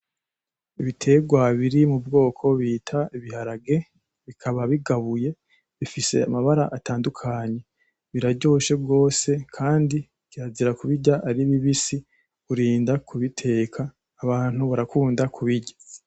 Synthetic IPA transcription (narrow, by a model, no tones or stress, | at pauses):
iβitʰe̞ːɡwaβiɾimubɡo̞ːkʰo̞βiːtʰaiβihaɾaɡe̞ | βikʰaβaβiɡaβuje̞ | βifise̞̰a̰maβaɾaʔataːndukʰaɲe̞ | βiɾaɾɟo̞ːʃe̞bɡo̞ːse̞kʰaːndi | kiaziɾakuβiɟaʔaɾiβiβisi | uɾiːndakʰuβitʰe̞ːkʰaː | βaːn̥huβaɾakuːndakʰuβiɟḁ